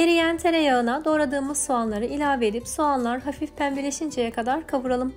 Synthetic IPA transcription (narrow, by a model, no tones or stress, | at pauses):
jeɾijænt̪ʰe̞ɾɛjaɯnad̪o̞ːɾad̪ɯːmɯzsuanlˠaɾɯʔilʲaːved̪ipsuanlˠaɾɦafifpʰænbilʲeʃind͡ʒejɛkʰad̪aɾkʰavuɾalˠɯm